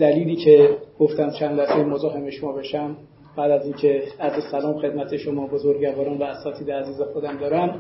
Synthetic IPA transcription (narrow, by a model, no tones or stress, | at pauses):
d̪̥æliːliːcʰe̞ɡ̥oft̪ænd̪t͡ʃʰænd̪læsejemozɒːɦemeʃomɒːbeʃæm | b̥æːd̪æziːncʰe̞æzesælɒːmxe̞d̪mæt̪ʰe̞ʃomɒːbozoɾɟævɒːɾɒːnvæːsɒːt̪ʰiːd̪eæziːzexod̪æmd̪ɒːɾæn